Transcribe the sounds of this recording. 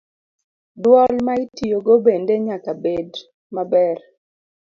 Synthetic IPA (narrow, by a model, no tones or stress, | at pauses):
dwɔlmaitijoɡobendeɲakabed | mabɛr